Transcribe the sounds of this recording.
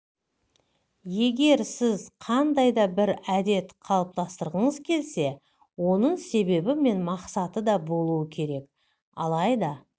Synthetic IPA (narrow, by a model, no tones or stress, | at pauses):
je̞ɡʲe̞ɾsɪzqʰɑnd̪ɑjd̪ɑbɪɾæd̪e̞t̪qʰɑlˠəp̚t̪ɑst̪əɾʁəɴəzkʲʰe̞lse̞ | wo̞nəɴse̞be̞bɪme̞nmɑqsɑt̪əd̪ɑbo̞lˠuwəkʲʰe̞ɾe̞k | ɑ̰lˠɑjd̪ɑ